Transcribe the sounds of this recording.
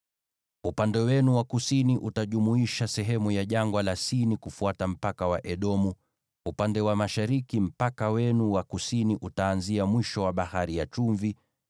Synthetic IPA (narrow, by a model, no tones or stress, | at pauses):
upandɛwɛnuwakusiniʔutaʄumuiʃasɛɦɛmujaʄaŋɡwalasinikufuatam̩pakawaʔɛɗɔmu | upandɛwamaʃaɾikim̩pakawɛnuwakusiniʔutaːnziamwiʃɔwaɓahaɾijat͡ʃuɱvi